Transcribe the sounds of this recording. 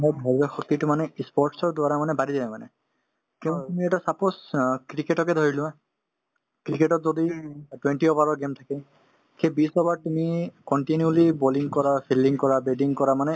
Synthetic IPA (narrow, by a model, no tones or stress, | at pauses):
ɦɔjbʱɔzɔxɔk̚t̪itʊmanɛispɔɹʈsɔɹdʊwaɹamanɛbaɾizamanɛ | kɛ̃tumiɛtasapɔskɹikeʈɔkɛd̪ʱoɹilʊ̃a | kɹikeʈɔtzoditwenʈiɔbaɹɔɹɡemtʰakɛ | kʰebisɔbaɹtumikɔnʈiniuliboliŋkɔɹapʰiliŋkɔɹabeɖiŋkɔɹamanɛ